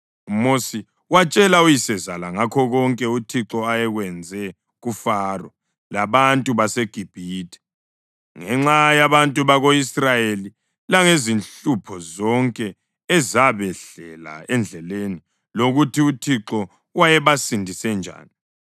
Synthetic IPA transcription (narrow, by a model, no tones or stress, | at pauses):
umosi | wat͡ʃʼɛlaujisɛzalaŋakʰɔɣɔŋkʼɛutʰiǁɔajɛɣwɛnd͡zʱɛ | ɣufarɔ | laβantʼuβaseɡ̥ʱib̥ʱiːtʰʼɛ̥ | ŋɛŋ͡ǁajaβantʼuβaɣoisrajeli | laŋezinɬupʰɔzɔŋkʼɛː | zaβɛɬɛla̰ɛnd͡ɮʱɛleni | loɣutʰiutʰiǁɔ | wajɛβasindʱisɛnd͡ʒʱa̰ːni